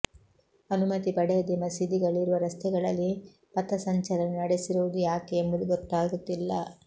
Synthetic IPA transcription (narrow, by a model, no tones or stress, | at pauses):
ɐnumɐt̪ipɐɽɛjɐd̪emɐsid̪iɡɐɭiɾuʋɐɾɐst̪ɛɡɐɭɐlːi | pɐt̪ɐsɐɲt͡ʃɐɾɐnnɐɽesiɾuʋud̪ujaːkeembɐd̪uɡɔt̪ːaːɡut̪ːilːɐ